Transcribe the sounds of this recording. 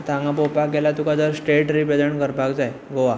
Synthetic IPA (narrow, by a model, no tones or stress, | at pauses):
t̪ãŋɡapopakɡelat̪ukad͡zəɾsʈeʈɾiped͡zəɳkəɾbʱaɡd͡zaj | ɡoʋa